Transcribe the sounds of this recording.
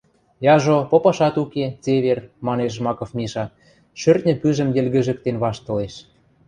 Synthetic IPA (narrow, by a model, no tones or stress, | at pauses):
jɑʒopopɑʃɑt̪uket͡seβermɑneʃ̬mɑkŏfmʲiʃɑ | ʃørt̪̚nʲə̆pyʒə̆mjɘ̆lɣɘ̆ʒə̆k̚t̪enβɑʃt̪ɤ̆leʃ